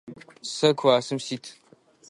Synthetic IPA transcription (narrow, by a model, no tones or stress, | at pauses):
sɐkʷʰwaːsɨmsitʰ